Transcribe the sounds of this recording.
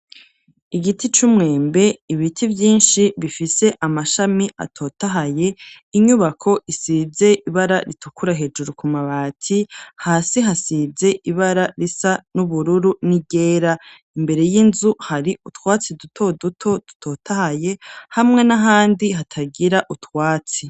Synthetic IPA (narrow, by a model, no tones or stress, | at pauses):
iɡitʰit͡ʃumŋe̞ːmbe̞iβitʰivjiːnʃiβifise̞ʔamaʃamiʔa̰tʰo̞taɦaje̞ | iɲuβakʰo̞ʔisize̞ʔiβaɾaɾitukuɾaɦe̞ːd͡ʒuɾukumaβaːtʰihaːsiɦasize̞ʔiβaɾaɾisanuβuɾuɾuniɟe̞ːɾa | imbe̞ɾe̞jinzuhaɾiutwaːt͡sidutʰo̞dutʰo̞d̥utʰo̞ːtʰahaje̞hamŋe̞naɦaːndihatʰaɡiɾaʔutwaːt͡si